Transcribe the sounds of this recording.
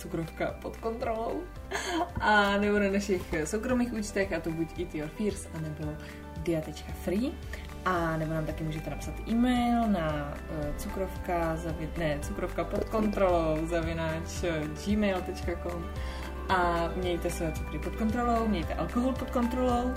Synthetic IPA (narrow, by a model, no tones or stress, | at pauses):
t͡sukɾofkapot̪kont̪ɾolow | ʔanɛbonanaʃɪxsowkɾo̞miːxuːt͡ʃt̪ɛxʔat̪obucʔit̪ioɾfiɾsʔanɛbo̞ | dɪat̪ɛt͡ʃkafɾi | ʔanɛbonaːmt̪akɪmuːʒɛt̪ɛnapsat̪ʔiːmɛjlnat͡sukɾofkazavɪnɛt͡sukɾofkapot̪̚ko̞nt̪ɾolowzavɪnaːt͡ʃd͡ʒimɛjlt̪ɛt͡ʃkakom | ʔamɲɛjt̪ɛsɛt͡sukɾɪpot̪̚kont̪ɾolowmɲɛjt̪ɛʔalkoɦolpot̪̚ko̞nt̪ɾolow